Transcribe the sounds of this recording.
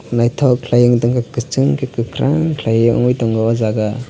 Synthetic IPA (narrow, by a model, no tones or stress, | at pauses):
najtʰɔwkʰlajɯŋdɔŋkakkɯt͡ʃɯŋkʰikɯkʰɾa̰ŋkʰlajɯŋɔ̰ŋujdɔŋɡawazaɡa